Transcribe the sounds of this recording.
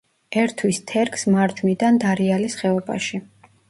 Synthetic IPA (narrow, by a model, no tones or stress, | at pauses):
ɛɾt̪ʰwist̪ʰɛɾkʰsmaɾd͡ʒmid̪and̪aɾialisχɛɔba̰ʃi